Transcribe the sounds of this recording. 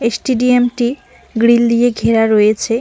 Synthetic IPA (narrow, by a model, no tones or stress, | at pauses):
esʈiɖiemʈi | ɡɽild̪ijeɡʱeɾaɾojet͡ɕʰe